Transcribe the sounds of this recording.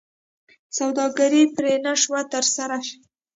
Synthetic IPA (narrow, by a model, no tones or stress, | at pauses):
sawd̪ɑɡaɾipɾenaʂwat̪əɾsaɾaʃ